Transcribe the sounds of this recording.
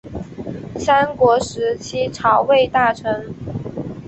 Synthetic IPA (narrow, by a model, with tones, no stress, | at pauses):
sa˥nkwɔ˧˥ʂɻ̩˧˥t͡ɕʰi˥ʈ͡ʂʰɑ˨˩ʊwe˥˧ɪt̪a˥˩ʈ͡ʂʰɤ˧˥ŋ